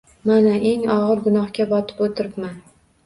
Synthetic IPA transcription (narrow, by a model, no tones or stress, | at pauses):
manaʔe̞ŋɒʁɨɾɡʊnɒhkʲabɒt̪ʰɪ̥pot̪ʰɪɾɪpman